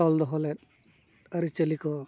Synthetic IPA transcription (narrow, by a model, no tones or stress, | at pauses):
ɔld̪ɔɦɔlɛt̪̚ | aɾit͡ʃəlikɔ